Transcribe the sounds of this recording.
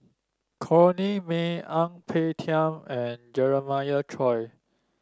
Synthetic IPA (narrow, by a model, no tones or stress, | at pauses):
kʰɔnimeãŋpʰetʰiãmɛ̃nd͡ʒɛɹəmajətʰɹɔj